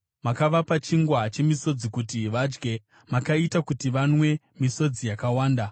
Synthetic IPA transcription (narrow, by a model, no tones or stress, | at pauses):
makaʋapat͡ʃiŋɡwat͡ʃe̞miso̞d͡zikutiʋad͡ʒɡe̞ | makaitakutiʋanwe̞ | miso̞d͡zijakawaːnda